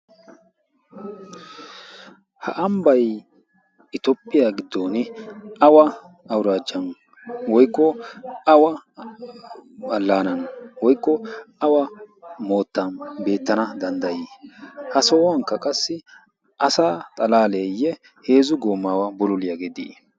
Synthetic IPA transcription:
hɐ̰ʔɐmbɐj | ɪt̪ɔpʼːɪjaːɡɪd̪ːoːnɪɐwɐ | ɐwɾaːd͡ʒːɐn | wɔjkːɔɐwɐ | ɐlːaːnɐnwɔjkːɔɐwɐmo̞ːt̪ːɐnbe̞ːt̪ːɐnɐd̪ɐnd̪ɐjiːhɐsɔːwɐŋkːɐkʼɐsːɪ | ʔɐsaːt̪ʼɐlaːleːjːɛ | heːzʊɡoːmːaːwɐbɔlʊlɪjɐɡed̪ḭː

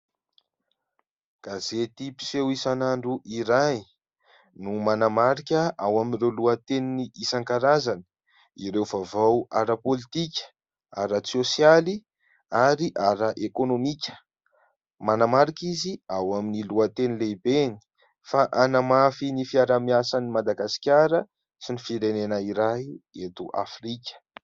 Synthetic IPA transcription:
ɡ̥azet̪ipi̥sewisanaɳɖ͡ʐuʔiɾaj | numanamaɾikʲəʔawaminrewluət̪eniniisaŋkaɾazanə̥ | iɾewvavawaɾapolit̪ikʲə̥ | aɾat͡siosijali | aɾiʔaɾaʔekonomikʲə̥ | manamaɾikʲiziawaminiluət̪enilebeni̥ | faʔanamafinifiaɾamiasanimad̪aɡasi̥kʲaɾə | sinifiɾenenaiɾajet̪uʔa̰frikʲə̥

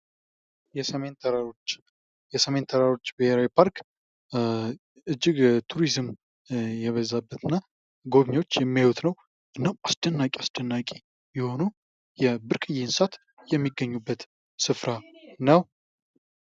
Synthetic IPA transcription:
jɛsəent̪ʰɾat͡ʃː | jɛsəme̞nt̪ʰəɾaɾo̞t͡ʃːbɨheɾawipʰaɾk | ɨd͡ʒːɪɡt̪ʰuɾizɨm | jɛβəzːabːət̪ʰɨnːa | ɡo̞βɲo̞t͡ʃːjɛmːiawut̪nəw | ʔɨnːawasd̪̥ənːakʼasd̪̥ənːakʼi | jɛho̞nu | jɛbɨɾkʼɨjɪnsat̪ | jɛmːiɡːəɲːubːət̪ | sɨfɾanəw

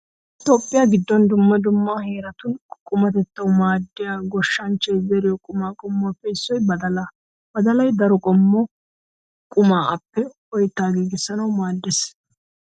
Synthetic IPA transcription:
ɪt̪o̞ːpʼːɪjaːɡɪd̪ːɔnd̪ʊmːɐd̪ʊmːaheːɾɐt̪ʊnkʼʊmɐt̪ɛt̪ːɐwmaːd̪ːɪjaːɡɔʃːɐnt͡ʃːɛzɛɾɪjɔkʼʊmaːkʼɔmːɔɐpːɛɪsːɔjbɐd̪ɐla | bɐd̪ɐlɐjd̪ɐɾɔkʼɔmːɔ | kʼʊmaːʔɐpːɛ | ɔjt̪ːaːɡiːɡɪsːɐnɐwmaːd̪ːɛs

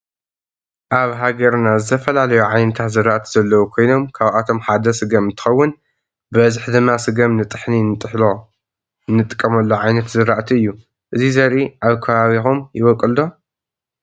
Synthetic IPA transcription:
ʔaβɦaɡɐɾnazɨt̪ʰɐfɐlalɐjuʕajnɐt̪ʰat̪zɨɾaʔt̪ʰi̥zɐlːɐwukʰo̞jno̞mkʰaβʔat̪ʰomħad̪ɐsɨɡɐmɨnt̪ʰɨ̥xɐwːʊn | bɐzɨħd̪ɨmːasɨɡɐmnɨt̪ʼɨħninɨt̪ʼħlo | nːɨt̪ʼɨ̥kʼːɐmɐlːoʕajnɐt̪zɨɾaʔt̪ʰiɨjːu | ʔɨzizɐɾiʔaβkʰɐβaβixumjɪβɐkʼːɨld̪o̞

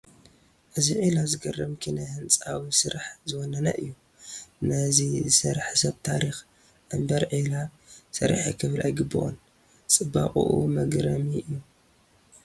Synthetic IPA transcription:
ʔɨziʕilazɨɡɐrɐmkʰinajhɨnt͡sʼawisɨɾaħzɨwɔnɐnɐʔɨjːu | nɐzizɨsɐɾħsɐβt̪ʰaɾix | ʔɨmbɐɾʕila | sɐ̰ɾ̰ħikʰɨβlʔa̰jɡɨbɨ̰ʔo̰n | t͡sʼɨbːa̰qʼṵʔṵmɐɡɾɐmiʔɨjːu

